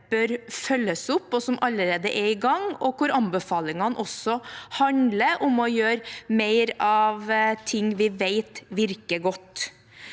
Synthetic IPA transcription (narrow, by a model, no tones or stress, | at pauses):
b̥œɾfœlːəsʊpːɔsɔmʔɑlːəɾeːd̪əʔɛɾɪɡɑŋɔkʊɾɑnbəfɑːlɪŋɑnʔɔsɔhɑnləʔʊmɔjøːɾmeɪɾɑʋt̪ʰɪŋːʋɪʋeɪt̪ʋɪɾkəɡɔt̪ː